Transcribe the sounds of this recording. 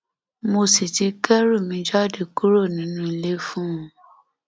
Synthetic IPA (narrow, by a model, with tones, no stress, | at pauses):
mo˧si˨ti˨˧kɛ˦ɾu˦˨mĩ˧d͡ʒɔ˦˨de˨ku˦ɾo˦˨nĩ˨˦nũ˦˧le˦fũ˦ũ˨˦